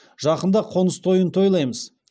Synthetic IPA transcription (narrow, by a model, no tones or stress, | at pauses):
ʒɑqənd̪ɑqʰonəst̪ʰo̞jənt̪ʰo̞jlˠɑjməz